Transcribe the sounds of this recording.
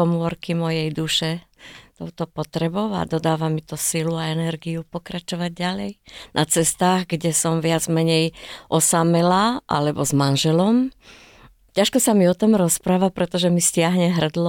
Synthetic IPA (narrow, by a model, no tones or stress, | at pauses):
ɔmʊɔɾkimɔjɛjd̪uʃɛt̪ɔʊt̪ɔpɔt̪ɾɛbɔʊa̰d̪ɔd̪aːʋamit̪ɔsiluaɛnɛɾɡiupɔkɾat͡ʃɔʋaɟ̚ːalɛjnʔat͡sɛst̪aːɣɡɟɛsɔmʋɪad͡zmɛɲɛjʔɔsamɛlaʔa̰lɛbɔzmanʒɛlɔm | caʃkɔsamiɔt̪ɔmɾɔspɾaːʋapɾɛt̪ɔʒɛmiscɪaɦɲɛɦr̩d̪lɔ